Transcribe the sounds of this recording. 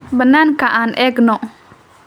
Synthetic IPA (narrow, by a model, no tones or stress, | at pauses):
bənankaʔanʔɛɡnɔ